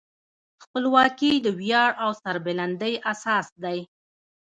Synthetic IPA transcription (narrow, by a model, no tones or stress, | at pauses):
xpəlwɑkid̪əwjɑɽawsaɾbeland̪əjʔasɑsd̪aj